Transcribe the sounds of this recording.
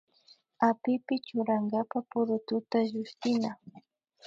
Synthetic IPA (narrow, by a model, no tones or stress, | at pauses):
apɪpɪt͡ʃʊɾaŋɡapapʊɾʊt̪ʊt̪aʒʊʃt̪ɪna